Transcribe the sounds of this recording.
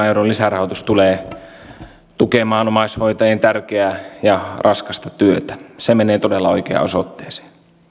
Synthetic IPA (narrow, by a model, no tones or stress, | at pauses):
euɾollisærɑhot̪ust̪uleː | t̪ukemɑːnomɑishoit̪ɑjent̪ærkeæjɑrʔɑskɑst̪ɑt̪yøt̪æ̥semeneːt̪odelːɑoikḛɑ̰o̰sot̪ːe̥ːse̥ː